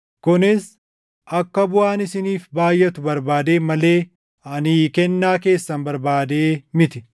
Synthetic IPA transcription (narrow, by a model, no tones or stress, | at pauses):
kʊnɪs | ʔɐkːɐbʊaːnɪsɪniːfbaːjʔɛt̪ʊbɐɾbaːd̪e̞ːmɐle̞ː | ɐnikɛnːaːke̞ːsːɐnbɐɾbaːd̪eːmɪt̪ɪ